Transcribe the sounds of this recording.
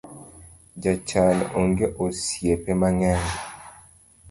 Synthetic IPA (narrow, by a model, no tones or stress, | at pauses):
d͡ʒat͡ʃanoŋɡeʔosjepemaŋɛn